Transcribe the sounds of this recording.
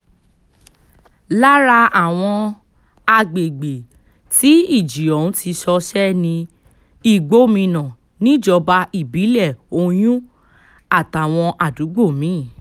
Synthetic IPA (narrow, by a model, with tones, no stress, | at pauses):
la˦ɾa˧a˦˨w̃ɔ̃˧ | a˧ɡ͡be˨ɡ͡be˨ | ti˨˦i˦˨d͡ʒi˨ɔ˨ũ˨˦tʰi˧ʃɔ˧ʃɛ˦nĩ˧ | i˦˨ɡ͡bo˦mĩ˧nã˨ | nĩ˨˦˨d͡ʒɔ˧ba˧i˦˨bi˨˦lɛ˦˨o˧j̃ũ˦ | a˦˨ta˨˦˨w̃ɔ̃˧ʔa˨du˨˦ɡ͡bo˦˨mĩ˨˦˨